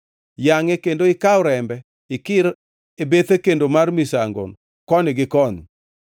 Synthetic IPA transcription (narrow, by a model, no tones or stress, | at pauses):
jaŋekendoɪkaʊɾɛmbɛ | ɪkɪɾ | ebet̪ekendomarmisaŋɡo̰n | kɔnɪɡɪkɔn